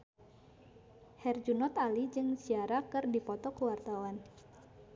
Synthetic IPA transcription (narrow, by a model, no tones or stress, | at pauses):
hɛrd͡ʒunɔt̪alid͡ʒɨŋsiaɾakɨrdipɔt̪ɔkəwart̪awan